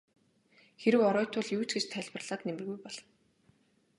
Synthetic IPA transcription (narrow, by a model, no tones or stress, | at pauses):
xeɾɘ̆wɔɾɔːt̪ʰʊːɮjuːt͡sɡet͡ɕt̪ʰæɮʲpə̆rɮaːt̪nemɘ̆rɣujpɔɮɞ̆n